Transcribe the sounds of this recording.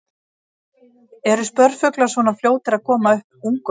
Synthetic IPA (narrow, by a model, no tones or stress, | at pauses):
ɛɾʏspœɾfʏklasvɔnafljoːwt̪ɪɾaðkʰɔːmaʏhpuŋkʏ